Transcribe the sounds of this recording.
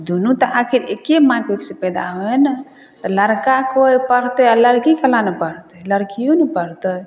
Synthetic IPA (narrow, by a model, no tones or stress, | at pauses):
d̪unut̪ɔʔakʰiɾekemãkeksepɛd̪a̰ɦoɛnə | t̪ɔləɾkakoepəɾt̪əaləɾkikəlanepəɾt̪əjləɾkijonepəɾt̪əj